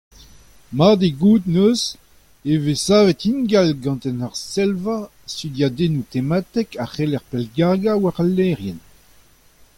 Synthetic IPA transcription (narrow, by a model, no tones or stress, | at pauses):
maʁd̪eɡuːd̪nøz | evesaːvɛt̪inɡalɡɑ̃nt̪ɛnaʁsɛlva | st̪yd̪jad̪enut̪emat̪ɛkaχelɛʁpɛlɡaʁɡawaʁalːɛʁjɛn